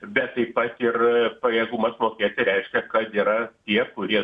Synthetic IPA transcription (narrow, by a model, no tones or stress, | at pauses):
bʲɛt̪tːɐɪpɐt̪ɪrpɐjɛɡumɐsmoːkʲeːt̪ʲɪɾʲɛɪʃʲkʲɛkɐt̪iːɾɐt̪ʲiɛkʊɾʲiɛ